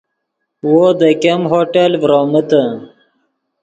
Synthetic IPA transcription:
wod̪əkemɦoːʈelvɾoːmət̪ə

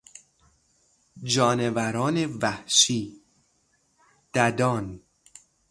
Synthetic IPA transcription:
d͡ʒɒːnevæɾɒːnevæhʃiː | d̪̥æd̪ɒːn

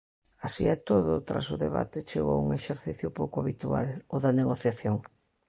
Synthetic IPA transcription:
asiɛt̪oðʊ̰t̪ɾa̰sʊðeβa̰t̪et͡ʃeɣo̰wṵŋeʃeɾθiθjʊpowkʊaβit̪ua̰loðɐneɣoθjaθjoŋ

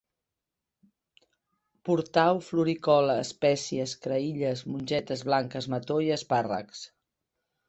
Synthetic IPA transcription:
puɾt̪awfluɾikɔləːspɛsiəskɾəiʎəzmunʲʒɛt̪əzβlaŋkəzmət̪oiəsparə̰ks

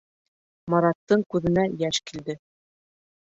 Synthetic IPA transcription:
mɑɾɑt̪ːɤɴkʉðɘ̆næjæʃkild̪ɘ

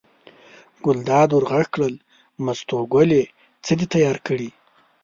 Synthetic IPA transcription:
ɡ̥ʊld̪ɑd̪wʊɾɣakkɽəl | mast̪oɡwole | t͡səd̪it̪ajɑɾkəɽi

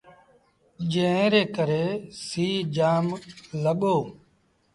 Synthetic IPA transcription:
d͡ʒẽːẽːɾeːkəɾeːsiːd͡ʒaːmləɠoː

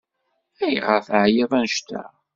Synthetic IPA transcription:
æjʁəfʕjævænʃt̪æ̰

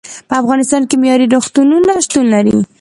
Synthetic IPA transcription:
pəafɣɑnɪst̪ɑnkemjɑɾiɾoxt̪ununaʃt̪unlaɾḭ

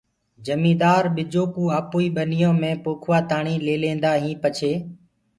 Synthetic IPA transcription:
d͡ʒəmĩːd̪aːɾɓɪd͡ʒoːpuːaːpoːiːɓənɪjõːmẽːpoːkʰʋaːt̪aːɳĩːleːlẽːnd̪aːɦĩːpət͡ʃʰeː

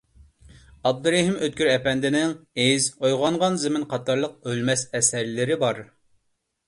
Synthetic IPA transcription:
ɑb̚d̪ɨɾɛɦɪmøt̪̚kʲyɾɛpɛnd̪ɪnɪŋezojʁɑɴʁɑnzɪmɪnqʰɑt̪ʰɑɾlˠəq̚ølmɛsɛsɛɾlɪɾɪbɑɾ

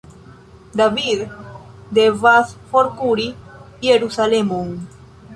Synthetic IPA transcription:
d̪aβið | d̪evasfoɾkuɾi | jeɾusalemuŋ

